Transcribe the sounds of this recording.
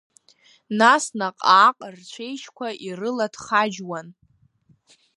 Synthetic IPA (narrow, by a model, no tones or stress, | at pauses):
nasnaqʼaːqʼrt͡ɕʷʰejʃkʷʰaʔirɨladʰχad͡ʒwan